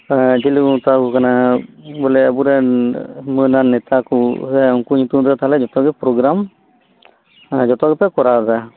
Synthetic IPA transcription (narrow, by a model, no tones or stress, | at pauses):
d͡ʒiluut̪akukanabɔlɛabuɾɛ | mɯnanɛt̪akusɛɔŋkuɲut̪umɾɛt̪ʰalɛd͡ʒɔt̪ɔɡɛpɾɔɡɾam | d͡ʒɔt̪ɔɡɛpɛkɔɾaza